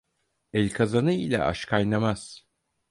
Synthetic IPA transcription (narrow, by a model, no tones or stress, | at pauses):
ɛlʲkʰazanɯilʲɛ̰ʔa̰ʃkʰajnˠamaz̥